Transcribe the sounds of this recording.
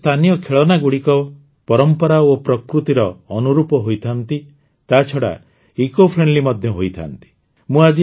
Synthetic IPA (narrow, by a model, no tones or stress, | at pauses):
t̪ʰanijɔkʰeɭɔnaɡuɽikɔ | pɔɾɔmpɔɾaopɾɔkɾut̪iɾɔːnuɾupɔɦojt̪ʰant̪i | t̪at͡ʃʰɔɽa̰ | ikopʰɾeɳɖlimɔd̪ʱjɔɦojt̪ʰa̰nt̪i̥ | mũad͡ʒi